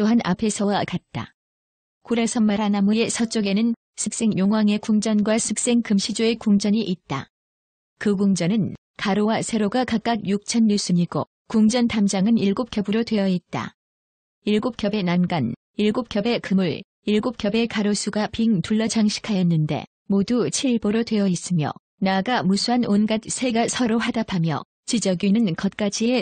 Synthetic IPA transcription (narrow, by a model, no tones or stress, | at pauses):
t͈oɦanʔa̰pʰe̞sʰʌwakat̚t͈a̰ | kuɾesʰʌmːaɾanamuesʰʌt͡ɕ͈oɡe̞nɯn | sʰɯk̚s͈e̞ŋjoŋɦwaŋe̞kuŋd͡ʑʌnɡwasʰɯk̚s͈e̞ŋkɯmɕʰid͡ʑoe̞kuŋd͡ʑʌɲiʔit̚t͈a̰ | kɯɡuŋd͡ʑʌnɯn | kaɾowasʰe̞ɾoɡakak͈ak̚juk̚t͡ɕʰʌnːus͈ɯɲiɡo | kuŋd͡ʑʌntamd͡ʑaŋɯniɭɡop̚k͈jʌbɯɾotwe̞jʌit̚t͈a̰ | iɭɡop̚kjʌbe̞nanɡan | iɭɡop̚k͈ʲjʌbe̞kɯmuɭ | iɭɡop̚k͈jʌbe̞kaɾosʰuɡapiŋtuɭːʌd͡ʑaŋɕʰi̥kʰajʌnːɯnde̞̰ | modut͡ɕʰiɭboɾotwe̞jʌis͈ɯmjʌ̰ | naɡamusʰuɦanonɡat̚sʰe̞ɡasʰʌɾohadapʰamjʌ̰ | t͡ɕid͡ʑʌɡinɯnkʌt̚k͈ad͡ʑie